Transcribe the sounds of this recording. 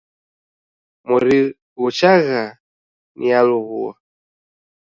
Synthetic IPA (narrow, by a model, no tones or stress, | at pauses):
muɾi | ɣut͡ʃaɣa | nʔḭaluɣua